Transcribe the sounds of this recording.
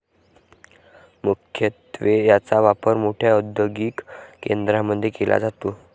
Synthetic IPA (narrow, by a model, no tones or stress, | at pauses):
mukʰjət̪ʋejat͡saʋapəɾmoʈʰjaud̪jəɡiːkkːend̪ɾaməd̪ʱjekelʔa̰d͡zat̪oː